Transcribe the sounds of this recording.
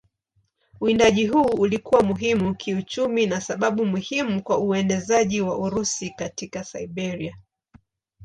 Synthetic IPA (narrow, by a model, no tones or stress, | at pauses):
uindaʄiɦuːlikuwamuɦimukʰiut͡ʃuminasaɓaɓumuhimukwauɛndɛzaʄiwaʔuɾusikatikasaiɓɛɾia